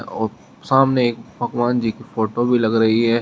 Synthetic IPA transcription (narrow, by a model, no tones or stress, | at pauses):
ɔːɾ | saːmneeːkpɐkʋaːnd͡ʒikifoːʈobʱilɐɡɾɐɦiɦɛː